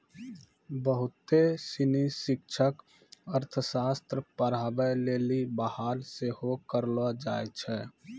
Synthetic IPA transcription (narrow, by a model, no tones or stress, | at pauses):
bəɦʊt̪esɪnisɪkt͡ʃʰək | əɾt̪ʰəsaːst̪ɾəpəɾaːbəleːlibəhaːlsehokəɾlad͡ʒaːjt͡ʃʰɛː